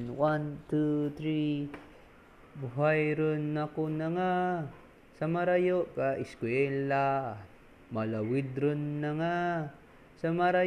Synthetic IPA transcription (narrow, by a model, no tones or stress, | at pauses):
nwant̪ut̪ɾi | buɦajɾonːakonaŋa | samaɾajoʔkaʔiskwɛla | malawid̪ɾʊnːaŋa | samaɾa